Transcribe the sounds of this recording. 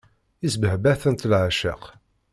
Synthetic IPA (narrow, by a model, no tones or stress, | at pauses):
isbəhbæθənt̪əlʕaʃə̰q